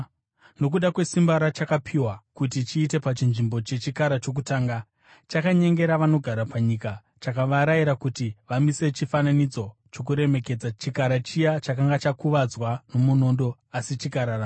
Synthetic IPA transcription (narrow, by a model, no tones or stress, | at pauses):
no̞k̬uɗakwe̞simbaɾat͡ʃakapʰiwakut̬it͡ʃiːte̞pat͡ʃinʐimbo̞t͡ʃe̞t͡ʃikaɾat͡ʃo̞k̬utaːŋɡa | t͡ʃakaɲe̞ŋɡe̞ɾaʋano̞ɡʱaɾapaɲika | t͡ʃakaʋaɾaiɾakutiʋamise̞t͡ʃifananid͡zo̞t͡ʃo̞k̬uɾe̞me̞ke̞d͡zat͡ʃikaɾat͡ʃijat͡ʃakaŋɡat͡ʃakuʋad͡zwano̞muno̞ndo̞ | asit͡ʃiɡʱaɾara